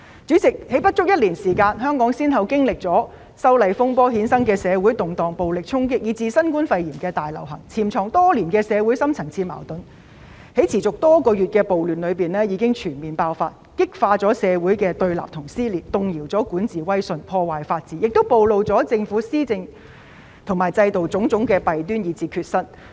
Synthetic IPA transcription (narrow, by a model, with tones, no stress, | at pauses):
t͡syː˨˥t͡sɪ˨k̚he˨˥jpɐ˥t̚t͡ʃʊ˥k̚jɐ˥t̚liː˨˩nsiː˨˩kaː˧nɦœː˥ŋkɔː˨˥ŋsiː˥nɦɐ˨˧wkɪ˥ŋlɪ˨k̚t͡sɔː˨˥ | sɐ˥wlɐ˧jfʊ˥ŋpɔː˥ɦiː˨˥nsɐ˥ŋkɛː˧sɛː˨˧wuː˨˥jt̪ʊ˨ŋt̪ɔː˨ŋpo˨wlɪ˨k̚t͡sʰʊ˥ŋkɪ˥k̚jiː˨˧t͡siː˧sɐ˥nkuː˥nfɐ˧jjiː˨˩mkɛː˧t̪aː˨jlɐ̰˨˩wɦɐ̰˨˩ŋt͡sʰiː˨˩mt͡sʰɔː˨˩ŋt̪ɔː˥liː˨˩nkɛː˧sɛː˨˧wuː˨˥jsɐ˥mt͡sʰɐ˨˩ŋt͡sʰiː˧ma̰ː˨˩wt̪ɵ˨˥n | he˨˥jt͡sʰiː˨˩t͡sʊ˨k̚t̪ɔː˥kɔː˧jyː˨t̚kɛː˧po˨wlyː˨˩nlɵ˨˧ɥpiː˨nlɛː˥jiː˨˧kɪ˥ŋt͡ʃʰyː˨˩nmiː˨npaː˧wfa̰ː˧t̚kɪ˥k̚faː˧t͡sɔː˨˥sɛː˨˧wuː˨˥jkɛː˧t̪ɵ˧ɥla̰ː˨p̚t̪ʰʊ˨˩ŋsiː˥liː˨n̚t̪ʊ˨ŋjiː˨˩wt͡sɔː˨˥kuː˨˥nt͡siː˨wɐ˥jsɵ˧npʰɔː˧waː˨jfaː˧t̚t͡siː˨˥jɪ˨k̚t̪o˥wpo˨˧wlo˨wt͡sɔː˨˥t͡sɪ˧ŋfuː˨˥siː˥t͡sɪ˧ŋ | t̪ʰʊ˨˩ŋmaː˨˩jt͡sɐ˧jt̪o˨wt͡sʊ˨˥ŋt͡sʊ˨˥ŋkɛː˧pɐ˨jt̪yː˥njiː˨˧t͡siː˧kʰyː˧t̚sɐ˥t̚